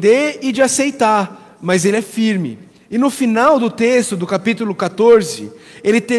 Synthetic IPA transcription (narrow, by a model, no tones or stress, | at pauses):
d̪eɾɪd͡ʒɪasejt̪aɾ | mɐzelɪɛfiɾmɪ̰ | ɪnʊfinawd̪ʊt̪est̪ʊd̪ʊkapit̪ulʊkat̪oɾzɪ̰ | elɪt̪e